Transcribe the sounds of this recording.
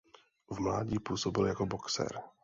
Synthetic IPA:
vmlaːɟipuːsobɪljakoboksɛ̰ɾ

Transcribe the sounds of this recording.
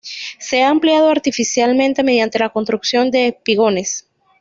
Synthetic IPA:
se̞aːmpljað̞oaɾt̪ifisjalmẽ̞nt̪e̞me̞ð̞jant̪e̞lako̞nst̪ɾuksjo̞nd̪e̞piɣo̞ne̞s

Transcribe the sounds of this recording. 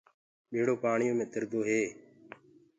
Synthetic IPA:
ɓeːɽoːpaːɳɪjõːmẽːt̪ɪɾd̪oːɦeː

